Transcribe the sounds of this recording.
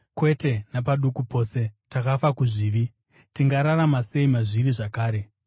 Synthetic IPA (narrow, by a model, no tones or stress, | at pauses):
kwe̞te̞napaɗukupo̞ːse̞takafakuʐiːʋi | tiŋɡaɾaɾamase̞imaʐiriʐakaːɾe̞